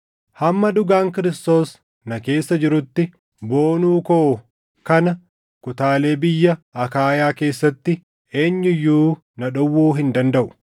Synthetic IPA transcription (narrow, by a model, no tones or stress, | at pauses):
hɐmːɐd̪ʊɡaːŋkɪɾɪst̪o̞ːs | nɐke̞ːsːɐd͡ʒɪɾʊt̪ːɪ | bo̞ːnuːko | kɐnɐ | kʊt̪aːle̞ːbɪjːɐɐkaːjaːke̞ːsːɐt̪ːɪ | e̞ːɲːɪjːuː | nɐᶑʊwːuːɦɪnd̪ɐnd̪ɐʔʊ̥